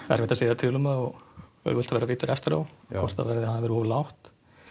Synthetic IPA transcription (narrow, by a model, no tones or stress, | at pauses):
ɛ̰ɾɛht̪aseːðat̪ʰɪlʏmaɔɣœ̰ʏlt̪avɛːɾaviːt̪ʏɾʔɛft̪ɪɾa̰wʰɔr̥t̪a̰vɛɾðɪhanavɛɾʏɔːvlawht̪